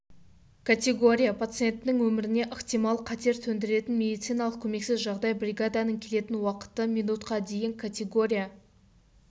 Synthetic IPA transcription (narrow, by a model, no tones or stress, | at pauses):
kʰat̪ʲe̞ɡo̞ɾʲijapʰat̪sɨje̞nt̪nɪŋwɵmɪɾɪne̞ʔəqt̪ijmɑlˠqʰɑt̪e̞ɾt̪ʰɵnd̪ɪɾe̞t̪ɪnmʲe̞d̪ijt̪sɨjnɑlˠəq̚kʲʰɵme̞ksɪzʒɑʁd̪ɑjbɾʲiɡad̪anəŋkʲʰe̞le̞t̪ɪnwɑqə̥t̪əmʲijnut̪qɑd̪e̞jɪŋkʰat̪ʲe̞ɡo̞ɾʲija